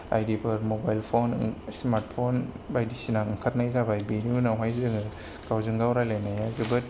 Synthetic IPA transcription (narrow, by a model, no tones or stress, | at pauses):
a̰jdibʰɯɾmobajlpʰonsmaɾt̚pʰon | bajdisinaɯŋkʰat̚najzabajbiniunawɦajzɯŋ | ɡawzɯŋɡawɾajlajnajazɯbɯt